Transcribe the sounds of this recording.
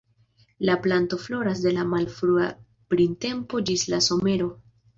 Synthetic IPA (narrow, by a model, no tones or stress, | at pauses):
laplanto̞flo̞ɾas̬de̞lamalfɾua | pɾinte̞mpo̞d͡ʒislaso̞me̞ɾo̞